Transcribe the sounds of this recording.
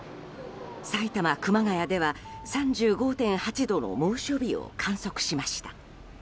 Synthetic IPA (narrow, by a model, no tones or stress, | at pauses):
sait̪amakɯ̟maɡajad̪e̞βasãɲd͡ʑɨːɡo̞ːt̪ẽ̞ɰ̃hat͡ɕid̪o̞no̞̰moːɕo̞bʲio̰kʰãɰ̃so̞kɯ̟̥ɕimaɕi̥t̪ḁ